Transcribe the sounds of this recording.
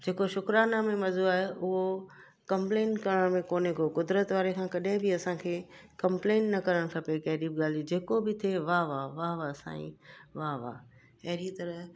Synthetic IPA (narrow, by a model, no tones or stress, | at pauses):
d͡ʑeːkoʃʊkɾaːnamẽmɐzoaːɦeʔʊɦo | kɐ̃mpleːnkɐɾəɽ̃mẽkoːnekokʊd̪ɾət̪ʋaːɾekʰãːkɐɗɦɪ̃bɪɐsãkʰeːkɐ̃mpleːnnɐkɐɾəɽ̃kʰɐpekɐɦɾibɠaːl̤id͡ʑeːkobɪt̪ʰeʋaːʋaʋaʋasã̰ːḭ̃ʋaːʋa̰ː | ɐɦɪɾit̪ɐɾəɦ